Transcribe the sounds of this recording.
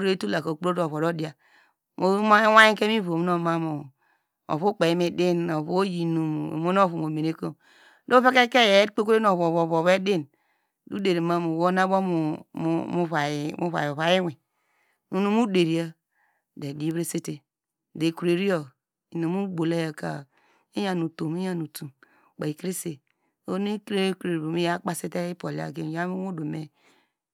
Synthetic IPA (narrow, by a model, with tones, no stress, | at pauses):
ɾe˦tu˦la˨ko˨k͡pɾo˦dβo˨ɾo˦di˦a˨ | mo˨˦a˦wa˦ji˦ke˦mi˦vo˨m˦no˦ma˦mu˨ | o̰˨βu˦k͡pe˨i˦me˨di˦no˨βo˦ji˨nu˨m̰˨mo˦no˦βu˨mo˨me˨ne˦ko˦m | do˦fe˦ke˦ke˦je˨˦k͡pe˦kɾe˦no˨βo˨βo˨βo˨βe˦di˦n | du˦de˨ɾi˨ma˦mu˨wo˦na˦bo˦mu˨˦mu˦a˨mu˦βa̰˨o˨βa˨ji˦wi˨ | nu˦nu˦mu˦de˨ɾi˨a˦ | de˨di˦βɾe˦se˦te˨ | de˨ku˨ɾe˨ɾi˦o˨ | i˨no˨mu˦ɡ͡bo˨le˦ja˨ka̰˨ | i˦ja˨nu˨to˨mi˦ja˦nu˨tu˨m | k͡pa˨i˨ki˦ɾi˦se˨ | o˦ni˦kɾe˦kɾe˨ɾbo˨mi˦ja˦k͡pa˦se˦te˦i˦po˨li˨˦a̰˨ɡe˦n˨ja˦u˦wo˦do˨me˦